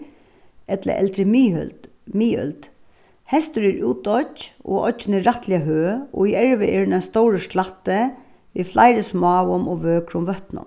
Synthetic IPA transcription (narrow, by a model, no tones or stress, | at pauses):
ɛt̪lə̰ʔɛ̰lt̪ɾəm | miːœ̰lt̪ | hɛst̪əɾɪɾʉːt̪ɔt͡ʃo̰ːʔɔ̰ənɪɾat̪lɪaɦøːɔ̰ːiɛɹʋəʔɛːɹnɛst̪owɾəʂlat̪ːə | ʋeflʔaɪɾəsmɑːʋʊmɔːʋøːkɾʊmʋœht̪nʊ̰m